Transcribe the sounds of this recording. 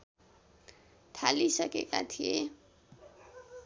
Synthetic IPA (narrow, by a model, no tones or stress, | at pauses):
t̪ʰalisʌkekat̪ʰije